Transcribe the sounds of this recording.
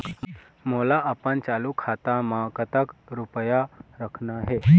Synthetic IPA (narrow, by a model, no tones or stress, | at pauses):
molaʔapəɳt͡ʃalukʰat̪amakət̪akɾupəjaɾəkʰnaɦe